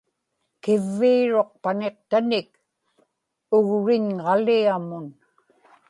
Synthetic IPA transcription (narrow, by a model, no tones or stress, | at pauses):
kɪvːiːɻo̞q̚paneq̚t̪anɪk̚ | ʊɣɻɪɲʁɑliamʊn